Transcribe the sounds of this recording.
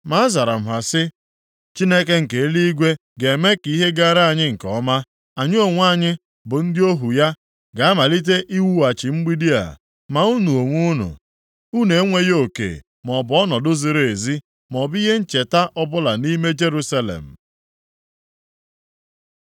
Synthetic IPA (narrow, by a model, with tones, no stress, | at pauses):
ma˦a˦za˨ɾa˨m̩˨ɦa˨sɪ˦ | t͡ʃi˦ne˦ke˦ŋ̩˨ke˨e˦li˦i˦ɡʷe˦ | ɡe˨me˦ki˦ɦe˦ɡa˦ɾa˦a˦˨ɲɪ˦ŋ̩˨kɔ˦ma˦ | a˨ɲ˦o˨ŋʷ˦a˦˨ɲɪ˦ | bʊ˨n̩˦dɪ˦o˦ɦu˨ja˦ | ɡa˨a˦ma˨li˦t̬e˦ʔi˦wu˦a˨t͡ʃɪ˨ŋ͡m̩˦ɡ͡bi˦di˦a̰˨ | ma˨u˦nu˨o˨ŋʷu˦nṵ˨ | u˦ne˨˦ŋʷe˦jo˨kḛ˨ | mɔ˨bɔ˦nɔ˨dʊ˦zi˨ɾe˨zi˦ | mɔ˨bi˦ɦe˦n̩˦t͡ʃe˨ta˦ʔɔ˦bʊ˦la˨ni˦me˦d͡ʒe˦ɾu˦sa˦lḛ˨m̩˨